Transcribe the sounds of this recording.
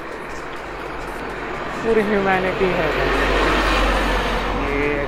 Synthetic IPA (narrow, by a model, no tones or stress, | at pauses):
puːɾiɦjumæːnɪʈiɦɛb̪a | je